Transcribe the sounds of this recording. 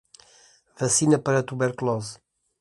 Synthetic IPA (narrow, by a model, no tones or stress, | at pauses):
vɐsinɐpəɾɐt̪uβɛɾklɔz